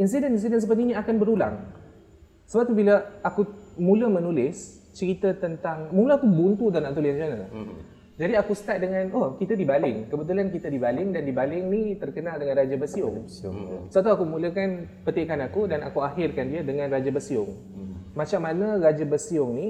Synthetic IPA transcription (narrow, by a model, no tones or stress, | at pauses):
ins̬idənins̬idəns̬əpərt̪iniakanbəɾula̰ŋ | səbap̚t̪ubilaakumũləmənulɪs | t͡ʃəɾit̪at̪ənt̪aŋmulaakubunt̪udanãʔt̪ulint͡ʃanə | d͡ʒadiakusə̥t̪at̪̚dəŋãnokit̪adibalɪŋkəbət̪̬ulankit̪adibalɪŋdandibalɪŋnit̪ərkənaldəŋãnrad͡ʒabəsiʊ̰ŋ | səat̪uakumũləkan | pət̪iʔkanakudanakuaɦɪrkandiadəŋãnrad͡ʒabəsiʊŋ | mat͡ʃamːanərad͡ʒabəsiʊŋni